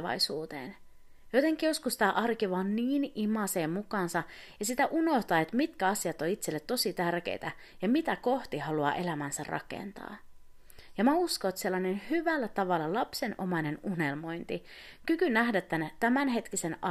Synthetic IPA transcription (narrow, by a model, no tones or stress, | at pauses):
ʋɑ̰jsuːt̪ḛːn | jot̪eŋkijo̞skust̪æʔɑrkiʋɑːnːiːnimɑse̞ːmmukɑːnsɑ | jɑsit̪æʔuno̞ht̪ɑːe̞t̪mit̪kæɑsiɑt̪oit̪selːet̪ːo̞sit̪ærk̟ḛjt̪æ | jɑmit̪æko̞ht̪ihɑluɑ̰ːʔe̞læmænsæ̰rʔɑ̰kḛnt̪ɑ̰ː | jɑmæusko̞ːt̪se̞lːɑnenhyʋælːæt̪ɑʋɑlːɑlɑpse̞nʔomɑne̞nune̞lmo̞jnt̪i | kykynæhdæt̪ːænt̪æmænɦe̞t̪kise̞nɑ